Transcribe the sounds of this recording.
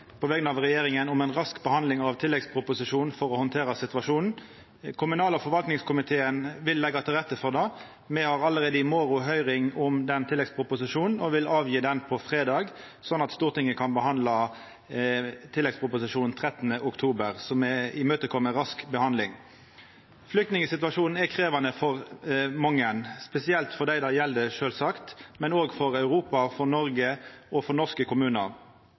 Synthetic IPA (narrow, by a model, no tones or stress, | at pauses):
pʰɔʋɛːɡənɑʋʁɛjeːɾɪŋənʊmɛnʁɑskbəhɑnd̪lɪŋɑʋt̪ʰɪlːɛɡspʰɾʊpʊsɪʂuːnfɔʁɔhɔnt̪ʰeːɾɑsɪt̪ʋɑʂuːnn̩ | kʰʊmʉnɑːlɔfɔɾʋɑlt̪nɪŋskʰʊmɪt̪ʰeːənʋɪlːɛɡːɑt̪ʰɪlʁɛt̪ːəfɔʁd̪ɑː | mɛhɑʁɑləʁeːd̪əɪmoːɾʊɦœʏʁɪŋʊmd̪ɛnt̪ʰɪlːɛɡspʰɾʊpʊsɪʂuːnn̩ɔʋɪlɑːʋjiːd̪ɛnpʰɔfʁeːd̪ɑːɡ | sɔnːɑt̪st̪uːʁt̪ɪŋːəkʰɑnbəɦɑnd̪lɑ | t̪ʰɪlːɛɡspʰʁʊpʊsɪʂuːnn̩t̪ʰʁɛt̪ːənəʔʊkt̪ʰuːbəʁsɔmɛɪmøːt̪əkʰɔmːəʁɑskbəhɑnd̪lɪŋ | flʏk̚t̪nɪŋəsɪt̪ʉʋɑʂuːnn̩ɛkʰʁeːʋɑnəfɔʁmɑŋːənspɛsɪɛlt̪fɔʁd̪æɪd̪ɑjɛld̪əʂøːlsɑkt̪mɛnoːɡfɔʁɑʉʁuːpɑfɔʁnɔʁɡəʔɔfɔʁnɔʁskəkʰʊmʉːnəʁ